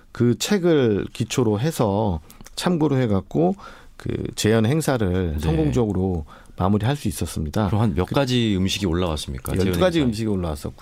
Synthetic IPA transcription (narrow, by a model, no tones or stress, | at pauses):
kɯt͡ɕʰe̞ɡɯɭkit͡ɕʰoɾoɦe̞sʰʌ | t͡ɕʰamɡuɾoɦe̞ɡak̚k͈o | kɯ̰t͡ɕe̞jʌnɦe̞ŋsʰaɾɯɭsʰʌŋɡoŋd͡ʑʌɡɯɾo | mamuɾiɦaɭs͈uis͈ʌs͈ɯmɲidaɯoɦanjʌkk͈ad͡ʑiɯmɕʰiɡioɭːawas͈ɯmɲik͈a̰jʌk͈ad͡ʑiɯmɕ̬ʰiɡioɭːawas͈ʌk͈o